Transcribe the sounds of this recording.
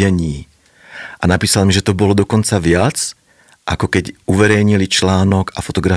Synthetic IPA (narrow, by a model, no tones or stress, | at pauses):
ɛɲiː | ʔanapiːsalmiʒɛt̪ɔbɔlɔd̪ɔkɔnt͡saʋɪat͡s | ʔakɔkɛɟʔuʋɛɾɛjɲilit͡ʃlaːnɔɡafɔt̪ɔɡɾa